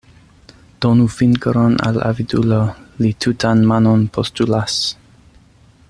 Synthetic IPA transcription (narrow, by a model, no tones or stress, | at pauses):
d̥onufinkəɾɔna̰la̰vidulolitʰutʰanmanonpʰostulas